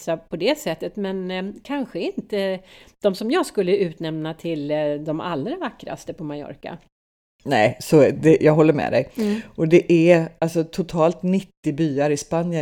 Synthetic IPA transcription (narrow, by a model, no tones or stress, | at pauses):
sapʰɔd̪ɛsɛt̪ːət̪mɛnkʰanɧəɪnt̪əd̪̥ɔmsɔmjɑːɡskɵlːəʉ̟ːt̪nɛmnat̪ʰɪld̪ɔmalːɾavakːɾa̰st̪əpʰɔmajɔ̰ɾka̰ | nɛɪsɔd̪ɛjɑːɡɦɔlːəɾmɛ̰d̪ɛ̰jʔɔd̪ɛʔæalsɔt̪ʰʊt̪ʰɑːlt̪nɪt̪ːɪbyːaɾɪspanjə